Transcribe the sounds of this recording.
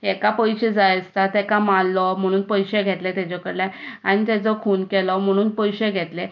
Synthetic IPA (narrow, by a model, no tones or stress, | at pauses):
ɛkapəjɕed͡zajəst̪at̪ɛkamalːɔm̤əɽ̃uːnpəjɕeɡʱet̪let̪ɛt͡ɕɔkəɾlaaɽ̃it̪ɛt͡sɔkʰuːnkɛlɔm̤əɽ̃uːnpəjɕeɡʱet̪le